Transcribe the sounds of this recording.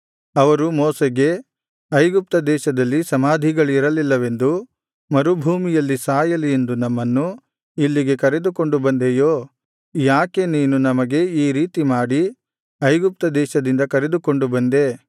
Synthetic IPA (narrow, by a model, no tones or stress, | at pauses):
ɐʋɐɾumoːseɡe̞ | ɐjɡup̚t̪ɐd̪ɛːʃɐd̪ɐlːisɐmaːd̪ʱiɡɐɭiɾɐlilːɐʋe̞nd̪u | mɐɾubʱuːmijɐlːisaːjɐlie̞nd̪unɐmːɐnːu | ilːiɡe̞kɐɾe̞d̪uko̞ɳɖubɐnd̪eːjoː | jaːke̞niːnunɐmɐɡe̞iːɾiːt̪imaːɽi | ɐjɡup̚t̪ɐd̪ɛːʃɐd̪ind̪ɐkɐɾe̞d̪uko̞ɳɖubɐnd̪e̞